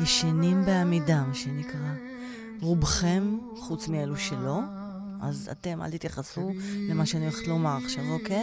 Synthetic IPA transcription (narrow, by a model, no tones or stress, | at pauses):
veʃanimbeamidamaʃenikʁa | ʁubχe̞m | χut͡smieluʃelo̞ | a̰za̰te̞mʔa̰lt̪it̪jaχasulemaʃeanioeχe̥tlomaʁaχʃavoke